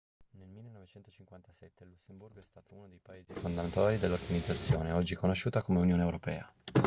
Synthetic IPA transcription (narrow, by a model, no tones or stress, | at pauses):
nelmilːenːɔvet͡ʃɛnt̪ot͡ʃiŋkwant̪asɛt̪ːelusːemburɡoɛst̪aːt̪ounod̪ejpaeːzifond̪amnt̪aːɾid̪elːorɡanid̪zːat̪sːjoːneɔd͡ʒːikonoʃːuːt̪akomeunjoːneewɾopɛ̰ːa